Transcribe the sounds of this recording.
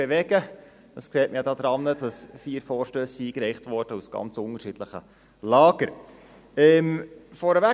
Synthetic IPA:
eʋɛɡ̥ə | d̥ɑsksɛːltməjɑdɑːd̪ɾɑnːəd̥ɑsfiːɾfɔːɾʃtøːsiiːkɾɛɪχtʋɔɾd̥əusɡ̥ɑ̰nt͡sʊnəɾʃid̥ləχə̰ | lɑːɡ̥əɾ | ɛmfɔɾəʋæ

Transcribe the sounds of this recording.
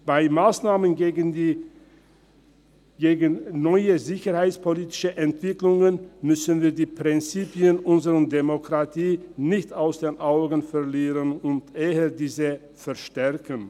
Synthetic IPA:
b̥aɪmaːsnaːmənːɡ | ɡeːɡənnɔʏəzɪçəhaɪt͡spoliːtɪ̥ʃəʔɛntv̥ɪklʊŋənmʏsnviːɐdiːpʁ̥ɪnt͡siːpjənʔʊnzəʁəndemokʁ̥atʰiːnɪçtaʊsd̥eːnʔaʊɡn̩fɛʁliːʁənʊntʔeːədiːzə | fɛɐʃtɛʁkən

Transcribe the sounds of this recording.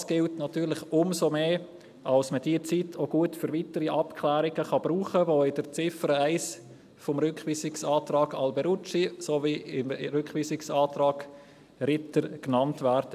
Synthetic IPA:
sɡ̥ɪltnɑtyːɾlɪχʊmsomeː | ʔɑlsməd̥iːət͡sitʰoɡuətfʏɾʋitəɾiʔɑpkʰlæːɾɪɡəχɑb̥ɾuːχəʋoɪd̥əɾt͡sɪfəɾəæɪs | fɔmɾʏkχʋiːsɪksɑːtrɑːɡɑlbɛɾut͡ʃisoviɪmɾʏkχʋiːsɪksɑːtɾɑːɡ̥ | ɾɪtəɾknɑntvæːɾdə

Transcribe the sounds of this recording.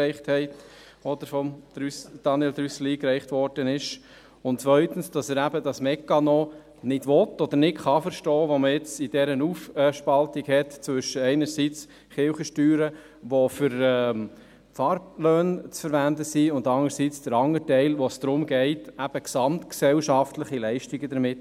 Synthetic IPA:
ɛɪχthɛɪt | ɔd̥̪əɾfɔmsd̥ɑniɛldɾysl̩iːkɾɛɪχtʋɔɾd̥ənɪʃ | ʊntt͡sʋœʏtənsd̥ɑsɛɾæbədɑsmɛkːɑnɔ | nɪd̥ʋɔtːɔd̪əɾnɪtχɑfəɾʃtɔːʋoməɪt͡sid̥ɛɾənuːfɛʃpɑltiɡhɛtt͡sʋʏʃəɛɪnəɾsit͡s | χɪʊχəʃtyːɾə | ʋɔfʏɾɛː | fɑɾbløːnt͡sfəɾʋændəsiʊndɑŋəɾsit͡sd̥əɾɑŋətɛɪlʋɔsd̥ɾʊmɡɛɪtæb̥əksɑmtksɛlʃɑftləχilɛɪʃtiɡədəɾmɪt

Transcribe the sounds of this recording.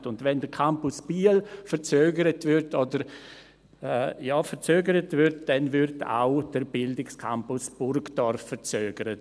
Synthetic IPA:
tʊndʋɛndəkʰampʊsb̥iːəlfəɾt͡søːɡəɾətvʏɾtʰɔdəɾ | ɛjɑːfəɾt͡søːɡəɾətvʏɾt̚d̥ɛnvʏɾtʰa̰ʊd̥əɾbɪldɪkskʰa̰mpʊsb̥ʊrɡdɔɾfːəɾt͡søːɡəɾə

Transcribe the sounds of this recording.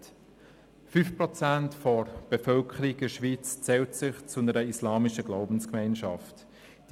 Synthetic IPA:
fyfpʁɔt͡sæntfɔɾb̥efœlkʰəɾiɡɪʃʋiːt͡st͡sɛːltsɪχt͡sʊnəɾəislɑːmɪʃəɡlaʊbn̩skmɛɪnʃɑ̰ft | d̥

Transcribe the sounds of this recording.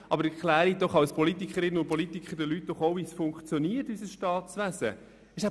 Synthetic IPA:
ʔɑ̰bəɾɛkʰlæːɾid̥ɔχɑwspʰɔlitikχəɾɪnːəʊnt̚pɔlit̪ikχəɾdəlyt̚d̥ɔχoʊvisfʊŋkχt͡sjɔniəɾtysəsʃtɑːtt͡svæsə̰ | ɪʃæ

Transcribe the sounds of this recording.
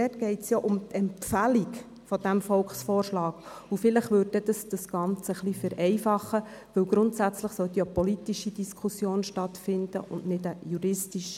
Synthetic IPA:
dɛtɡ̥ɛɪtsjoʔʊmt̪ʰɛmpfælik | fɔd̥̪æmfɔlkχsfɔːɾʃlɑːɡ | ufɪləχʋøːɾdɛd̪ɑsd̥ɑsɡ̥ɑnt͡səəχlifæɾʔɛɪfɑχːə | ʋɵwɡɾʊntsæt͡sləχsœt̪jopɔlit̪iʃidiskʰusjoːnʃtɑt̪fɪnd̥ə̰ʔʊnnɪdəjuɾɪstiʃ

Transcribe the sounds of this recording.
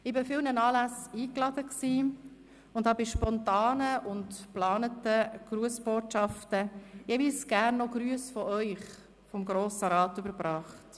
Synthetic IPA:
ɪbɪfɪlnənɑːlæsiːklɑd̥əksiː | ʊndhɑːbɪʃpɔntɑːnəʔʊntplɑːnətəɡ̥ɾuəsb̥oːtʃɑftəjeːviːlsɡ̥æːɾnːɔɡ̥ɾyəsfɔʔœʏχ | fɔmɡɾoːsəɾɑːtʏbəɾbɾɑːχt

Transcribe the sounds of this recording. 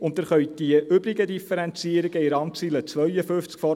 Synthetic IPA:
ʊndæɾχœʏd̥iəʔʏbɾɪɡədifəɾɛnt͡siəɾɪɡ̥əɪɾɑŋt͡siːlət͡sʋœɥjəfɵft͡skfɔ

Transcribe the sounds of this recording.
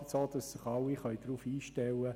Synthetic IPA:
tsoːd̪̥ɑsːɪχɑlːiχœʏd̥ɾuːfiːʃtɛwə

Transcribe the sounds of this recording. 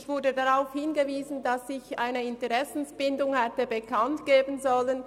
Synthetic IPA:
çv̥ʊɐdədaʁaʊfhɪnɡəviːzn̩dasɪçʔa̰ɪnəɪntəʁɛsn̩sb̥ɪndʊŋhɛtəbəkʰantɡ̥eːbən̩zɔlən

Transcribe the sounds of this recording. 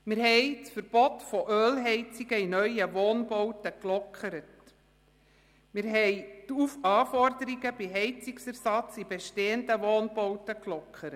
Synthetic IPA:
mɪɾhɛɪt͡sfəɾb̥ɔtfɔʔøːlɦɛɪt͡sɪɡ̥əinœʏəʋoːnbowtəklɔkʰəɾət | mɪɾɦɛɪtufɑːfɔrdəɾiɡəbiɦɛɪt͡sɪksɛɾsɑt͡sib̥eʃteːəndəʋoːnbowtəklɔkʰχəɾə

